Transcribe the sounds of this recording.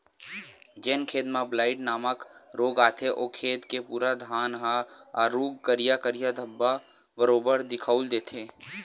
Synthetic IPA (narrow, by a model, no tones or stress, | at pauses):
d͡ʒeːnkʰeːd̪mãblaːɪʈnaːməkɾoːɡaːt̪ʰeʔoːkʰeːt̪kepuːɾad̪ʱaːnɦaːuːɡkəɾɪjakəɾɪjad̪ʱəbːa | bəɾoːbəɾd̪ɪkʰəuld̪eːt̪ʰeː